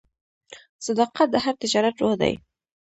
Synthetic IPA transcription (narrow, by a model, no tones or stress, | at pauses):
sad̪ɑqat̪̚d̪əhaɾt̪ɪd͡ʒɑɾat̪ɾohd̪a̰j